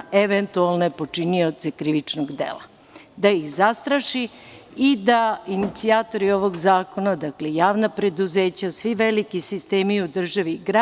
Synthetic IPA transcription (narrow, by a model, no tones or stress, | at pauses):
eʋent̪ualˠnepo̞t͡ʂinio̞t̪se̞kɾiʋit͡ʂnoɡd̪ḛla̰ | d̪aixzast̪ɾaʃi | id̪ainit̪siaːt̪o̞ɾio̞ʋo̞ɡzaːko̞nad̪akle̞jaːʋnapɾe̞d̪uze̞ːt͡ɕasʋiʋelikisist̪eːmiud̪r̩ʒaʋiɡɾa